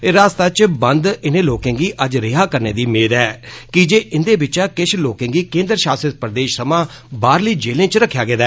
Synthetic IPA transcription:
ɾaːst̪aːt͡ʃbənd̪ɪnẽːloːkẽːŋɡiːʔəd͡ʒɾɪɦaːkəɾneːd̪iːmeːd̪ɛːkɪd͡ʒeːʔɪnd̪eːbɪt͡ʃaːkɪʃloːkẽŋɡiːkẽːnd̪ɾəʃaːsət̪̚pɾəd̪eːʃsəmãː | baːɾliːd͡ʒeːlẽːt͡ʃɾəkʰːjaːɡeːd̪aɛː

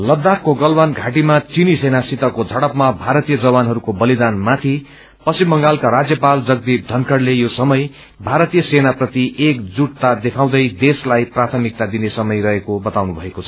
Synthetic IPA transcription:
lʌd̪akːoɡʌlbanɡʱaʈimat͡sinisenasit̪ʌkod͡zʱʌɽʌpmabʱaɾʌt̪ijʌd͡zʌbanɦʌɾukobʌlid̪anmat̪ʰi | pʌsimbʌŋɡalkaɾad͡zjʌpald͡zʌɡ̚d̪ip̚d̪ʱʌnkʰʌɽlejosʌmʌj | bʱaɾʌt̪ijʌsenaprʌt̪iekd͡zuʈ̚t̪ad̪ekʰaw̃d̪ʌjd̪eslajprat̪ʰʌmik̚t̪ad̪inesʌmʌjɾʌɦekobʌt̪awnubʱʌekot͡sʰʌ̥

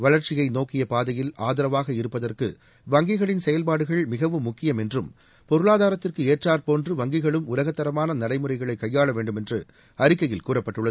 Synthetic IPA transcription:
ʋɐɭɐɾt͡ʃɪɣɐɪnoːkːɪjɐpaːðɐjɪlaːðɐɾɐʋaːɣɐɪɾɯpːɐðɐrkɯ̰ | ʋɐŋɡɪɣɐɭɪnsɛjɐlpaːɽɯɣɐɭmɪɣɐʋɯmːʊkːɪjɐmɛndrɯm | pɔɾɯɭaːðaːɾɐt̪ːɪrkɯeːʈraːɾpoːndrɯʋɐŋɡɪɣɐɭɯmʊlɐɣɐt̪ːɐɾɐmaːnɐnɐɽɐɪmɯrɐɪɣɐɭɐɪkːɐjːaːɭɐʋeːɳɖɯmɛndrɯ̰ | ɐɾɪkːɐjɪlkuːrɐpːɐʈːɯɭːɐð

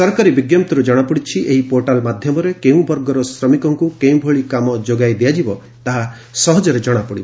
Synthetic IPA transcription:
sɔɾkaɾibiɡjamt̪ɔɾud͡ʒɔɽ̃apɔɽit͡ʃʰiʔeɦipoɾʈalmad̪ʱjɔmɔɾekeũbɔɾɡɔɾɔsɾɔmikɔŋkukeũbʱoɭikamɔd͡ʒoɡajd̪ijad͡ʒibɔ | t̪aɦa | sɔɦɔd͡ʒɔɾed͡ʒɔɽ̃apɔɽibɔ

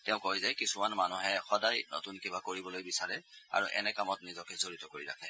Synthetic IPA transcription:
tɛʊ̃kojzajkisumanmanuɦɛxɔdajno̰tunkibakoɹibɔlojbisaɹɛa̰ɹuʔɛ̰nɛkamɔtnizɔkɛzoɹitɔkoɹiɹa̰kʰɛ

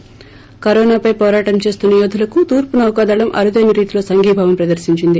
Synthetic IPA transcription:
kɐɾɔːnaːpɐjpɔːɾaːʈɐmt͡ʃe̞ːst̪unːɐjoːd̪ʱulɐkut̪uːɾpunɐɐwɐkaːd̪aːɭɐmʔɐ̰ɾud̪ɐjnɐɾiːt̪ilo̞ːsɐŋɡʱiːbʱaːʋɐmpɾɐd̪ɐɾsiɲt͡ʃind̪i

